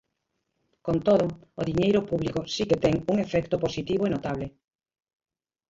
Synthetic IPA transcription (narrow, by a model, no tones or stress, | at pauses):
kont̪oðʊoðiɲejɾopuβlikosiket̪ɛŋuŋefɛkt̪oposit̪iβoenot̪aβlɪ